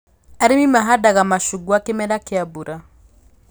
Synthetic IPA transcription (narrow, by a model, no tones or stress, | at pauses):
aɾemimaɦadaɣamaʃuɡwakemɛlakeabuɾa